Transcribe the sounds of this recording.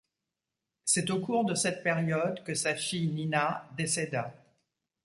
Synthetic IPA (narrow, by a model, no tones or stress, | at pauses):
sɛt̪okuʁd̪əsɛt̪̚peʁjɔd̪kəsafijninad̪esed̪a